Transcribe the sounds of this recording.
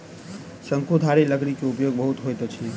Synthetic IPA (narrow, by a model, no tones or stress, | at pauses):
səŋkʰud̪ʱaɾeləɡnikeupjoɡ̚bəɦut̪ɦojt̪ot͡ʃʰi